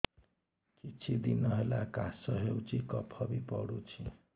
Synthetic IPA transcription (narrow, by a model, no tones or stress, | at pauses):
kit͡sʰid̪inʌɦelakasʌɦewt͡ʃʰikʌpʰʌbipɔ̰ɽut͡ʃʰi